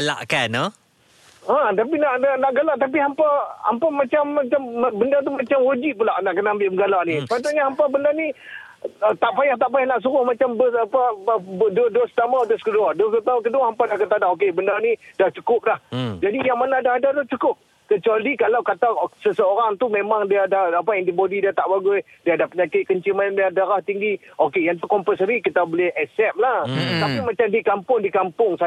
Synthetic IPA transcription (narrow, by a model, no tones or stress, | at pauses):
la̰ʔkanə | at̪ap̬inaʔnanaʔɡalaʔt̪ap̬iɦampaa̰mpamat͡ʃamːat͡ʃambəndart̪umat͡ʃamɾod͡ʒiʔpulaʔnaʔkənaambɪʔbəŋɡalaʔnispat̪aɲaɦampabəndarni | ət̪aʔpajaht̪aʔpajahnaʔs̬uɾʊhmat͡ʃambəsapadodost̪amad̪ʊskəduadokət̪auk̬əduaɦampanaʔkət̪adaok̬ebəndarnidaht͡ʃukʊp̚lahd͡ʒadijaŋmanãːdaɦadadaht͡ʃukʊp̚ | kət͡ʃualikalawkat̪asəsəoɾaŋt̪umemaŋdiadahapaɛndibodidiat̪aʔbaɡʊj | diaːdapəɲakɪt̪̚kəɲt͡ʃimaandiadaɾaht̪iŋɡiʔokejaŋt̪ukɔmpəsəɾikit̪abolɪhɛsɛp̚laht̪apimat͡ʃamdikampʊŋdikampʊŋsa